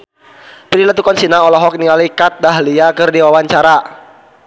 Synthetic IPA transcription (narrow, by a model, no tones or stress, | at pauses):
pɾilat̪ukɔnsinaɔlɔɦɔk̚nialikat̪̚daɦliakərdiwawaɲt͡ʃaɾa